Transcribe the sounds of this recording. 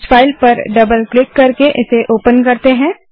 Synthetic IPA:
faːɪlpɐɾɖɐbəlklɪkːɐɾkeʔɪseʔoːpənkɐɾt̪eɦɛ̃ː

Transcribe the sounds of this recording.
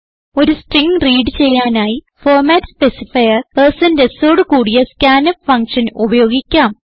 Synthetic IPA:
o̞ɾusʈriŋɡriːɖɨt͡ɕe̞jːaːnaːji | foːrmaːtspesifɐjɐrpersɐndeso̞ːɽukuːɽijɐskaːnɐpfɐŋkʂɐnubɐjo̞ːɡikʲːaːm

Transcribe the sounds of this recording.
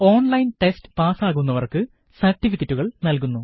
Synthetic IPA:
o̞ːnlɐjnʈestɨ̥paːsaːɣunːɐʋɐrkɨ | sɐrʈːifikːɐtːuɣɐɭnɐlkunːu

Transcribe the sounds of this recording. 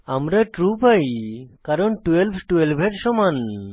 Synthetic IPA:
amɾaʈɾupajkaɾɔnʈwelbʰʱʈuelbʱeɾʃɔman

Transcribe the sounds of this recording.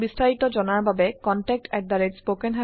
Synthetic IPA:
bist̪ʰait̪od͡ʑɔnaɾbʱabekɔnʈek̚ʈɛk̚d̪aɾespokenɦa

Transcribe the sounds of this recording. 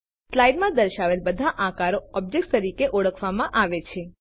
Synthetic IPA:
slajɖmãd̪əɾʃaʋelbəd̪ʱaʔãkaɾoɔb̚d͡ʒek̚ʈt̪əɾikeʔɔɽəkʰʋamãʔaʋet͡ʃʰe

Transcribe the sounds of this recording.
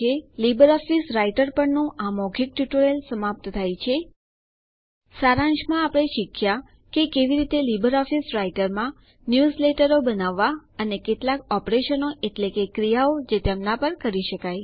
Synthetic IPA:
elibəɾɔfisɾaiʈəɾpəɳnũʔamɔɡʰʱik̚ʈjuʈoɾelsəmap̚t̪t̪ʰajt͡ʃʰe | saɾãɲd͡ʒmãapɽ̃eʃikʰːja | kekeʋiɾit̪elibəɾɔfisɾaiʈəɾmã | njuzleʈəɾobənaʋːaənekeʈlakɔpɾeʃənoʔeʈlekekɾijaod͡ʒet̪emnapəɾkəɾiʃəkaj

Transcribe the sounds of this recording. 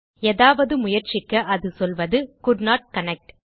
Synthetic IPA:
eːðaːʋɐðɯmʊjɐɾt͡ʃɪkːɐʔɐðɯsɔlʋɐðɯkʊɾnaːʈ̚kɐnɛk̚ʈ

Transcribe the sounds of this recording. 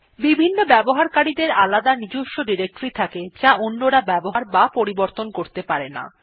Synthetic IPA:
bibʱinːobɛboɦaɾkaɽid̪eɾalad̪anid͡ʑuʃoɖiɾek̚ʈoɾit̪ʰaked͡ʑaʔonːoɾabɛboɦaɾbapoɾiboɾt̪onkoɾt̪epaɾena̰

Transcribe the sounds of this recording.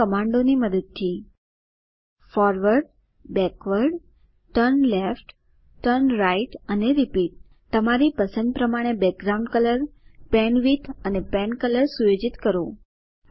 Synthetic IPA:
əmaɳɖoniməd̪əd̪̚t̪ʰːi | fɔɾʋəɾɖ | bɛkʋəɾɖ | ʈəɾnlefʈ | ʈəɾnɾaiʈəneɾipiʈ̚ | t̪əmaɾipəsə̃nd̪̚pɾəmaɽ̃ebɛk̚ɡɾaũɳɖkələɾpɛnʋit̪ʰənepɛnkələɾsujod͡ʒit̪kəɾo

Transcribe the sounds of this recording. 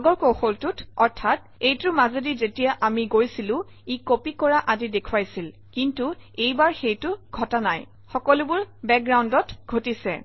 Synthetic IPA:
aɡɔɹkoxɔltʊtɔɹtʰat | ejtʊmazedizetijaʔamiɡojsilʊ̃ | ikopikɔɹaʔazidekʰwajsil | kintuejbaɹxejtʊɡʱɔtanaj | xɔkɔlubʊɹbɛk̚ɡɹawndɔtɡʱotisɛ̰

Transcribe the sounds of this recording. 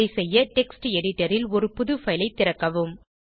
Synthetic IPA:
ɐɪsɛjːɐʈɛksʈɛɽɪʈːɐɾɪlɔɾɯpʊðɯfɐɪlɐɪt̪ːɪɾɐkːɐʋɯm

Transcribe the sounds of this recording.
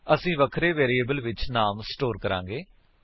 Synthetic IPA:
əsĩːʋəkʰɾeːʋeːɾieːbəlʋɪt͡ʃnaːmsʈoːɾkəɾã̰ːŋɡeː

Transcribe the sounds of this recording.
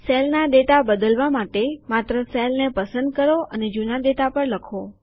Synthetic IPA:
sɛlnad̪eʈabəd̪əlʋamaʈemat̪ɾəsɛlnepəsənd̪̚kəɾoʔəned͡ʒunad̪eʈapəɾləkʰo

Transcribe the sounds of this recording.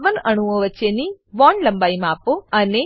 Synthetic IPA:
ʋənəɽ̃uʋõʋət͡ʃeniʋɔɳɖləmbaimãːpoəne

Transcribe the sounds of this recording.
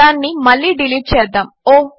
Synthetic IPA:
aːnːimɐɭːiːɖiliːʈ̚t͡ʃɛːd̪ːaːmoː

